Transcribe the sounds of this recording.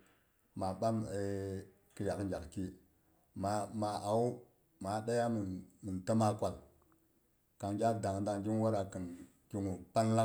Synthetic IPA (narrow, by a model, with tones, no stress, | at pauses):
ma˨ɓa˦me˨ | kə˨ja˨kd͡ʒa˨kki˦ | ma˨ma˨a˨u˦ | ma˨˦ɗa˦ja˦m˨nmə˨nta˦ma˦kʷa˨l | ka˨ŋɡʲa˦da˨ŋ˨da˨ŋɡi˦ŋ˦wa˦ɾa˨kə˨n | ki˦ŋu˨pa˦n˦la˦